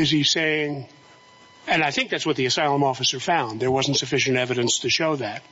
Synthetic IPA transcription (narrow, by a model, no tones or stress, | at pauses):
ɨz̥iseɪɪ̃ŋ | ɨ̃naɪθɪ̃ŋk̚ðætswʌt̪̚ðiɨsaɪlˠə̃mɔfɨsə˞fãʊ̃nd̪ðə˞wʌzn̩tsɨfɪʃɨ̃ntɛvɨɾɨ̃nstʰɨʃoʊðæt̚